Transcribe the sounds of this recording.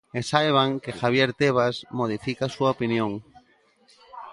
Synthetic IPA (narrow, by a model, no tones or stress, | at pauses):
esaeβ̞aŋkexaβjeɾt̪eβ̞asmoð̞ifikasuaopinjõŋ